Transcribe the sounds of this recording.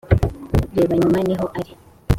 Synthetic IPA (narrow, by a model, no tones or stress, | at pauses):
ɾeβaɲumaniɦoʔaɾi